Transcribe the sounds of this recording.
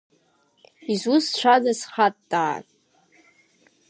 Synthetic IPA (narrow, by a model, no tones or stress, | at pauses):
izust͡ʃʷʰadasχatʼdʼa̰ːkʼ